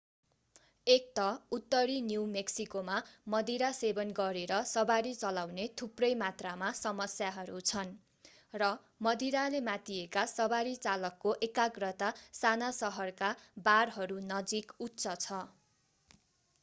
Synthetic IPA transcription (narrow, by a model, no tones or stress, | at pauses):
ek̚t̪ʌut̪ːʌɾinjuwmeksikomamʌd̪iɾasebʌnɡʌɾeɾʌsʌbaɾit͡sʌlawnet̪ʰuprʌjmat̪ramasʌmʌsjaɦʌɾut͡sʰʌn | rʌ | mʌd̪iɾalemat̪iekasʌbaɾit͡salʌkːoʔekaɡrʌt̪asanasʌɦʌrkabarɦʌɾunʌd͡zikutːt͡sʌt͡sʰʌ